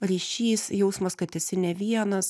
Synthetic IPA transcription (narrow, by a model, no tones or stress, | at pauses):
ɾʲiːʃʲiːsjɛʊsmɐskɐt̪ʲɪsʲɪnʲɛʋʲiɛnɐs